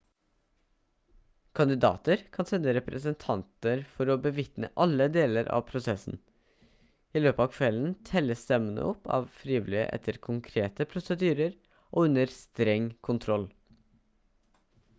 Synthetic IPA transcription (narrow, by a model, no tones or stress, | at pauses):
kʰɑnd̪ɪd̪ɑ̰ːt̪əɾkʰɑnsɛnd̪əɾɛpɾʔəsənt̪ʰɑnt̪əɾfɔɾɔbəʋɪt̪nə̰ʔɑlːəd̪eːləɾʔɑ̰ːʋpʰɾʊsɛsn̩ | ɪløːpəɑːʋkʰʋɛlən̩t̪ʰɛlːəst̪ɛmənə̰ɔpːɑ̰ːʋfɾiːʋɪlɪə̰ʔɛ̰t̪ʰːəɾkʰʊŋkʰɾeːt̪əpʰɾʊsəd̪yːɾəɾ | ʔɔːʉnəɾst̪ɾɛŋkʰʊnt̪ʰɾɔl